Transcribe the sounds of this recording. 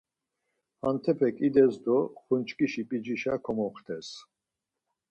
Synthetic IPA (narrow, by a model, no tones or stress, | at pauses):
ant̪ʰɛpʰɛkʼid̪ɛzd̪ɔχunt͡ʃʰkʼiʃipʼid͡ʒiʃakʰɔmɔχt̪ʰɛs